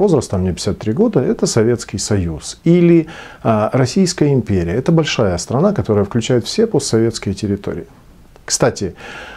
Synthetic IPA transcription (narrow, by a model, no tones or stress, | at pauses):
vo̞zɾəst̪əamnʲepʲɪ̥sʲat̪ːɾʲiɡo̞d̪əɛt̪əsɐvʲe̞t̪skʲɪjsɐjusilʲɪ | ɾɐsʲijskəjəɪmʲpʲeɾʲɪjəɛt̪əbɐlʲʂajəst̪ɾɐnakɐt̪o̞ɾəjəfklʲʉt͡ɕæjɪt̪fsʲe̞posɐvʲe̞t̪skʲɪjətʲɪɾʲɪt̪o̞̰ɾʲɪ̰ɪ | kst̪atʲɪ